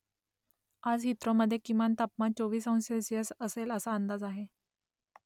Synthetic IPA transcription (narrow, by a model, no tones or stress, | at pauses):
ad͡zɦit̪ɾoməd̪ʱːjekimant̪apmat͡soʋiːsə̃w̃nsesijəsəseləsaənd̪ad͡zaɦe